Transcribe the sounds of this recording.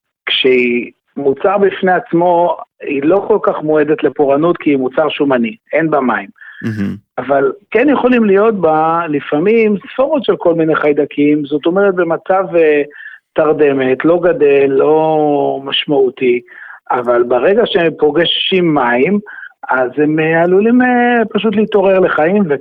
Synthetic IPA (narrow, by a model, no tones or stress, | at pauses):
kʃei | mut͡saʁbifneat͡smo̞ilo̞ko̞lkaχmoe̞d̪et̪le̞poʁanut̪kiimut͡saʁʃumanienbamaim | avalkenjeχo̞limlijo̞t̪̚balifamimsfoʁot̪ʃe̞lko̞lmine̞χajd̪akʰimzo̞t̪o̞meʁet̪̚be̞mat͡sav | t̪aʁd̪e̞met̪lo̞ɡad̪elːo̞maʃmaut̪iavalbeʁe̞ɡaʃepo̞ɡeʃʃimːaimazemealulimepaʃ̬ut̪liit̪o̞ʁeʁle̞χaimve